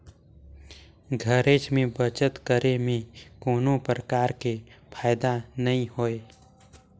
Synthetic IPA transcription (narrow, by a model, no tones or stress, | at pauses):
ɡʱəɾeːt͡ʃmẽbət͡ʃət̪kəɾemẽkoːnõpɾəkaːɾkepʰaːjd̪anɐĩhoːeː